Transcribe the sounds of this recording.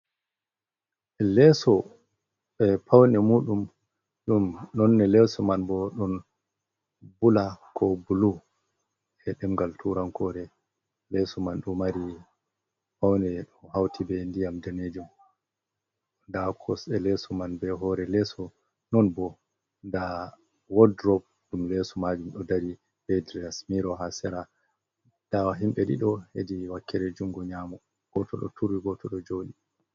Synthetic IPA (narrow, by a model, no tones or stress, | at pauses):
ɛlɛsɔ | ɓɛpʰawnɛmuːɗum | ɗumnɔnːɛlɛsumanbɔɗɔn | bulakʰɔbulu | ɛɗɛmɡaltʰuɾankɔɾɛ | lɛsumanɗumːaɾi | pawnɛɗumhawtʰibɛndijamdaned͡ʒum | ndakʰɔsɛlɛsumanbɛɦɔɾɛlɛsɔ | nɔnbɔ | nda | wɔdɾɔp̚dumlɛsɔmad͡ʒumɗɔdaɾi | bedɾiasmiɾɔɦasɛɾa | d̥awaɦimɓɛɗḭɗɔhediwakʰːɛɾɛd͡ʒuŋɡɔɲaːmɔ | ɡ̥ɔtɔ̰ɗɔ̰tʰuɾwiɡɔtʰɔɗɔd͡ʒoɗi